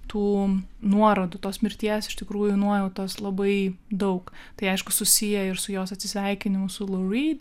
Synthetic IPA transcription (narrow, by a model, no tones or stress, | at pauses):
t̪uːnuɔɾod̪ʊt̪oːsmʲɪɾʲt̪ʲiɛsɪʃt̪ʲɪkɾuːjʊnuɔjɛʊt̪oːslˠɐbɐɪd̪ɐʊkt̪ɐɪɐɪʃkʊsʊsʲijɛɪɾsʊjoːsɐt̪ʲsʲɪsʲʋʲɛɪkʲɪnʲɪmʊsʊlˠoɾʲiːd̪